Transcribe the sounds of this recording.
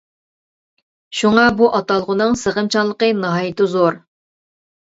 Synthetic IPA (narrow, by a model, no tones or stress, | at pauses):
ʃuŋɑbuʔɑt̪ɑlˠʁʊnɨŋsəʁəmt͡ʃʰɑnlˠəqənɑɦɑjɪt̪ɪzoɾ